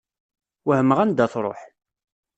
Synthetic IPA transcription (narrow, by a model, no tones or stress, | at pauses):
wəhəmːəʁænd̪æθɾˤo̰ħ